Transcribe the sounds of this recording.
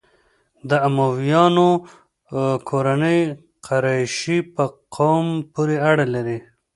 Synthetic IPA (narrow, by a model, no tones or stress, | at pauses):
d̪əamawjɑno | kʰoɾanəj | qʰaɾɑjʃipəqʰawmpuɾeaɽalaɾi